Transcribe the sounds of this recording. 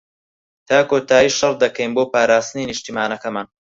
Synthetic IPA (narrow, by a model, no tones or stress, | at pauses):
t̪ʰaːkoːt̪ʰaːjiːʃɑrd̪ɐkɐjnboːpaːɾaːst̪ɨninɨʃt̪imaːnɐkɐmaːn